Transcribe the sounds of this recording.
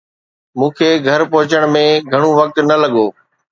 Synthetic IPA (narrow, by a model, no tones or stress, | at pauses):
mũːkʰeːɡʱɐɾpʊɦɪt͡ɕəɽ̃mẽɡʱɐɽ̃uʋɐk̚t̪nɐlɐɠoː